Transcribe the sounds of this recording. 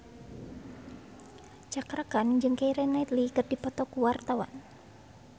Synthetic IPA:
t͡ʃakɾakand͡ʒɨŋkeiɾɛnait̪likərd̥ipɔtp̪ɔkuwart̪awa̰n

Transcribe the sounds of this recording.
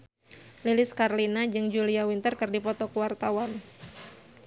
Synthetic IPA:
lilɪskarlinad͡ʒɨŋd͡ʒuliawint̪ərkɨrdipɔt̪ɔkuwart̪awan

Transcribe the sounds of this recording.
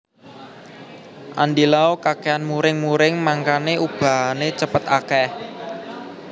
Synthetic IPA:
ʔa̰ndilaokakeanmuɾɪŋmuɾɪŋmaŋkaneub̥a̤ɦanet͡ʃəpət̪akɛh

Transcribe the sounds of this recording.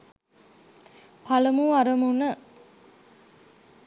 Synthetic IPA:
pʰaləmuaɾəmunə

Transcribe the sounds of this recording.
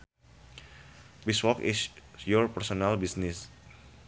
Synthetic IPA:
biswɔkḭsjɔrpɛrsonalbisnis

